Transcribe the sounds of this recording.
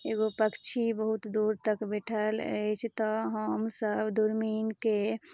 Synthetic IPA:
eɡopəkt͡ʃʰibəɦut̪d̪uɾt̪əkbeʈʰələ̰jt͡ʃʰt̪ɔɦəmsəbd̪uɾminke

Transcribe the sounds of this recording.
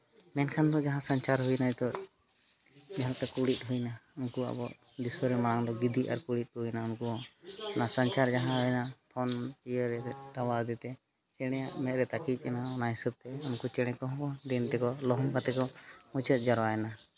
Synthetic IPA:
mɛnkʰand̪ɔd͡ʒaɦãsant͡ʃaɾɦujnat̪ɔ | d͡ʒaɦat̪ɛkuɽit̪̚ˀɦujnaunkua̰bɔʔ | d̪iswəɾɛmaɽaŋd̪ɔɡid̪ia̰ɾkuɽit̪̚ˀhujnaunkuɔɔnasant͡ʃaɾd͡ʒaɦãɔjnapʰɔnijəɾɛd̪awazd̪ɛt̪ɛ | t͡ʃɛɽ̃ɛjaʔmɛt̪̚ɾɛt̪akic̪̚ˀɛnaɔnaɦisub̚t̪ɛunkut͡ʃɛɽ̃ɛ̃kɔɦɔ̃kad̪int̪ɛkɔlɔɦɔmkat̪ɛkɔmut͡ʃət̪̚d͡ʒaɾwaɛna

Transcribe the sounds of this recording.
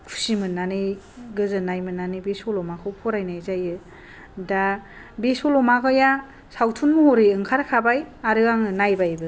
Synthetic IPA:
pʰu̥simɯnːanɯj | ɡɯzɯnajmɯnːanɯjbesolɔmakʰɯwpʰɔɾajnajzajɯ | da | besolɔmakʰɔja | sawtʰunmuhɔɾɯjɯŋkʰaɾkʰabajaɾɯaŋɯnajbajbɯ

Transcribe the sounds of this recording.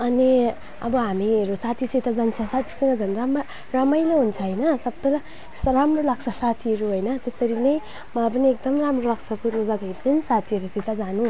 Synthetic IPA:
ʌni | ʌ̰bʌɦamiɾusat̪ʰiset̪ʰazant͡sʰasat̪ʰi̥sʌŋɡʌd͡zʌnɾama | ɾamʌjleɦunt͡sʰʌɦəjnʌsʌb̚t̪ʌla | sɾamrolak̚sʰʌsat̪ʰiɾuɦojnʌt̪esʌɾinej | mabʌniek̚d̪ʌmɾamɾolak̚sʰʌkunuzad̪aitensat̪ʰiʌɾuset̪ʰad͡zanu

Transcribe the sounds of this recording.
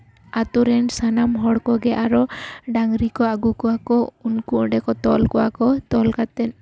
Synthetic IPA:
at̪uɾɛnsanamɦɔɽkɔɡɛʔaɾɔɖaŋɾikɔaɡukɔakɔunkuʔɖɛkɔt̪ɔlkɔwakɔt̪ɔlkat̪ɛn

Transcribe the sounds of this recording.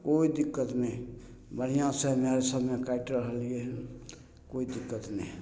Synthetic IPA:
koːid̪ɪkːət̪mẽ | bəɽ̤ijãsəɦmeɾesəbʱmekaɪʈɾəɦəlieɦɛ | koːid̪ɪkːət̪ne

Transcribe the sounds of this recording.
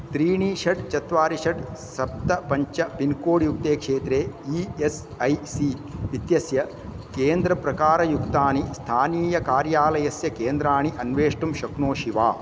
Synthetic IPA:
t̪ɾiːɳiːʃɐʈt͡ʃɐt̪ʋaːɾiʂɐʈsɐp̚t̪ɐpɐɲt͡ʃɐpinkoːɽijuk̚t̪eːkʂeːt̪ɾeːies | ɐjsiʋit̪jɐsjɐ | keːnd̪ɾɐpɾɐkaːɾɐjukt̪aːnist̪ʰaːniːjɐkaːɾjaːlɐjɐsjɐkeːnd̪ɾaːɳiʔɐnʋeːʂʈumʃɐknoːʃiʋaː

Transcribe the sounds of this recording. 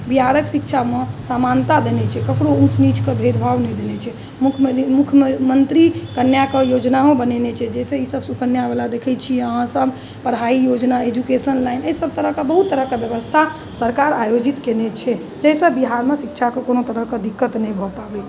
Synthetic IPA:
biɦaɾəksikt͡ʃʰamesamant̪ad̪enet͡ʃʰɛkəkɾoũt͡ʃnit͡ʃkebʱed̪bʱaʋnɛjd̪enet͡ʃʰɛ | mukʰmukʰjəmənt̪ɾikənjakejod͡ʒnaɦõbənenet͡ʃʰɛd͡ʒɛseisəbsukənjabelad̪ekʰɛt͡ʃʰiəɦãsəbʱ | pəɾɦaijod͡ʒnaed͡ʒukesənlajneɦsəb̚t̪əɾəɦkebəɦut̪ːəɾəɦkebjəβəst̪ʰa | səɾkaɾajod͡ʒit̪kenet͡ʃʰɛ | d͡ʒɛɦsəbbiɦaɾmesikt͡ʃʰakekonot̪əɾəɦked̪ikːət̪nɛjbʱɔpabe

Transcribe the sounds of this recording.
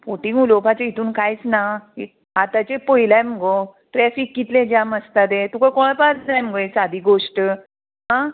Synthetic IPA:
poʈiŋɡulopat͡ɕeit̪ʰuːnkajt͡snaḭ | ɦat̪at͡ɕepojlajm̤əɡo | ʈɾɛfikːit̪lẽd͡ʑjaməst̪at̪̬et̪ukakɔɭpat͡sd͡zajməɡoesad̪iɡoʂʈə | ɦã

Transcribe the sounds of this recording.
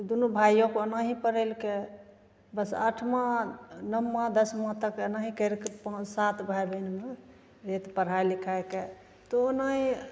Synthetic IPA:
d̪unubʱajõkoənaɦĩpəɾelke | bəsa̰ʈʰmãnəmːãd̪əsmãt̪əkənaɦĩkəlkepə̃sat̪bʱajbʱənme | ɾet̪pəɾ̤aelikʰaeke | t̪oənaɦĩ

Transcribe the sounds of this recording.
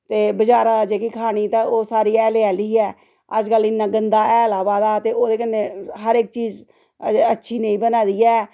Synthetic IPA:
t̪eːbəd͡ʒaːɾaːad͡ʒeːkikʰaːɽ̃iːt̪ãːoːsaːɾiːɛːleaːliːɛː | əd͡ʒɡəlɪnːãːɡənd̪aːɛːlaːbaːd̪aːt̪eːoːd̪eːkənːeːɦəɾɪk̚t͡ʃiːz | ətːʃʰiːnẽĩːbənaːd̪iːɛː

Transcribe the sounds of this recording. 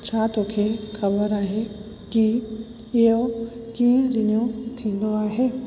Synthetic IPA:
t͡ʃʰat̪oːkʰeːxɐbəɾaːɦe | ki | ɪjokiːẽɾɪnijõt̪ʰĩːnd̪oaːɦeː

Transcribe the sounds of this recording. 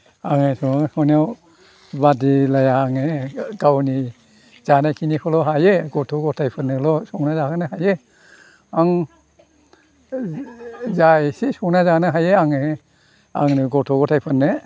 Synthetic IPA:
aŋesɔsɔnijaw | badilajaːŋeɡawni | z̥anakʰinikʰɔlɔɦajeɡɔtʰɔɡɔtʰajpʰɯnːɯlɔsɔŋnazakɯnɯɦaje | aŋ | zasisɔŋnazanɯɦajeaŋe | a̰ŋnɯɡɔtʰɔɡɔtʰajpʰɯnːɯ

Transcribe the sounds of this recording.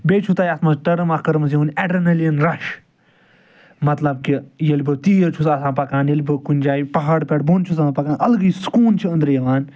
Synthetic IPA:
beːt͡ʃʰut̪aːjɐsmɐsʈɐɾɐmɐkɐɾmɐs̬jeunʲɛɖɐnɐlɐnɾɐʃ | mɐt̪lɐb̚kijɐlʲbɨt̪iːjɐɾt͡ʃʰusasãːpɐkãːnjɐlʲbɨkunʲd͡ʒaːjpɐɦaːɽpʲɛʈbont͡ʃʰusãːpɐkaːnɐlɐɡɨjskuːnt͡ʃʰiɐ̃nd̪ɾjɐʋaːn

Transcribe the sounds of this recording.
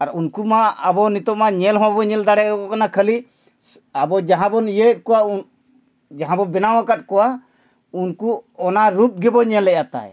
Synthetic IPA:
aɾunkumaabɔnit̪ɔmaɲɛlɦɔ̃wabɔɲɛld̪aɽɛɔkɔkanakʰəli | abɔd͡ʒaɦãbɔnijət̪̚kɔwa | d͡ʒaɦãbɔbɛnawakat̪̚kɔwa | unkuɔnaɾup̚ɡɛbɔɲɛlɛʔjat̪a̰j

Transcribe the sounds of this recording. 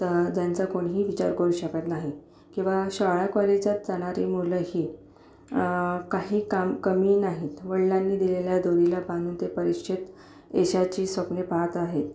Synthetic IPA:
t̪əd͡ʑ̪jant͡sakoɳɦiːʋit͡ɕa̰ɾkəɾuːɕəkat̪naɦi | kĩw̃ʋaɕaɭakʋalid͡ʑat̪̚d͡zaɽ̃aɾḭmuləhiː | kaɦiːkamkəmiːnaɦit̪ʋəɭlanːiːd̪ileljad̪oɾilapãŋɡuːnt̪epəɾiɕʰit̪ | eɕat͡ɕiːsʋəkɳepat̪aɦet̪̚

